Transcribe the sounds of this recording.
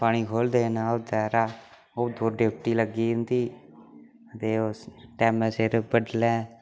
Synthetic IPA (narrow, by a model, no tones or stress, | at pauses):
paːɽ̃iːkʰoːld̪eːnaːot̪ɛːɾaː | oːd̪oːɾɖep̚ʰʈiːləɡiːɪnd̪iː | ət̪eːoʈɛːmɛːseːɾbəɖlɛ̃ː